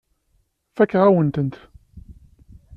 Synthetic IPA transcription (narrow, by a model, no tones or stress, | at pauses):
fækːʁawənt̪ənt̪